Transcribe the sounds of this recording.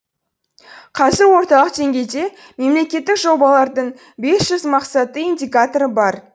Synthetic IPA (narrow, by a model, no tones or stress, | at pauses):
qʰɑzɪɾwo̞ɾt̪ɑlˠəq̚d̪e̞ŋɡʲe̞jd̪e̞ | me̞mle̞kʲe̞t̪ːɪkʒo̞bɑlˠɑɾd̪əɴ | be̞sʒ̥ʏzmɑqsɑt̪əindʲijkat̪o̞ɾəbɑɾ